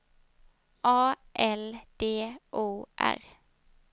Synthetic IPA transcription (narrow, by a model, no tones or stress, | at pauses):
ʔɑː | ʔɛld̪̥eːʔoːʔæ̰ʁ